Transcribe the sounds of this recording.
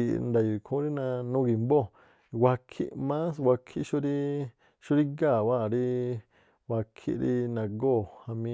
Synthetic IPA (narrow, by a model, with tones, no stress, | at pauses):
i˨nd̪a˨ju˨kʰõ˦ɾi˦nã˧nũ˦˧ɡi˨mbo˦˨˧ | wa˧kʰḭ˦mã˦swʷa˧kʰi˧ʔʃu˧ɾi˦ | ʃu˦ɾi˦ɡa˦˨wa˦˨ɾi˦˧ | wʷa˧kʰḭ˧˦ɾḭ˧nã˨ɡo˦˨ha˧mĩ˧